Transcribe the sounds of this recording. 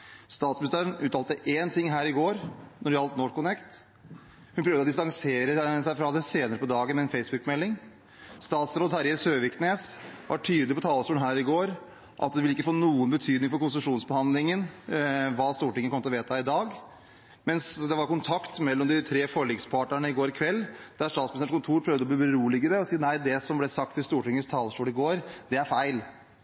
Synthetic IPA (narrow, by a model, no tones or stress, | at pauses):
st̪ɑːt̪smɪnɪst̪æːɾənʉːt̪ɑːlt̪əʔent̪ʰɪŋːɦæːɾɪɡoːɾnɔɖɛhɑlt̪nɔʈkʊnɛkt̪ | hʉnpʰɾøːʋd̪əɔd̪ɪst̪ɑŋseːɾəsæɪfɾɑd̪ɛseːnəɾəpɔd̪ɑːɡəmɛɛnfɛɪsbʉkmɛlːɪŋ | st̪ɑːt̪sɾoːd̪hæɾɪsøːʋɪkʰneːsʋʔɑ̰ʈʰyːd̪lɪpɔt̪ʰɑːləsuːənɦæːɾɪɡoːɾ | ʔɑ̰t̪̚d̪ɛʋɪlɪkːəfoːnuːənbət̪ʰyːd̪nɪŋfɔɾkʊnsʉʂuːnsbəhɑnd̪lɪŋənʋɑːst̪uːʈɪŋəkɔmːət̪ɔʋeːt̪ʰəɪd̪ɑːɡ | mɛnsd̪ɛʋɑɾkʊnt̪ʰɑkt̪mɛlːɔmd̪ɪt̪ʰɾeːfɔɭiɡspʰɑʈɳəɳəɪɡoːɾɪkʰʋɛlːd̪̥æɾʂt̪ɑːt̪smnsəʂkʰʊnt̪ʰuːɾpʰɾœʋd̪əɔbliːbəɾuːlɪɡəd̪ɛɔsiːnæɪd̪ɛsɔmblɛsɑk̚t̪ʰːɪlst̪uːʈɪŋːəst̪ʰɑːləsʂʈuːlɪɡoːɾd̪ɛæɾfæɪl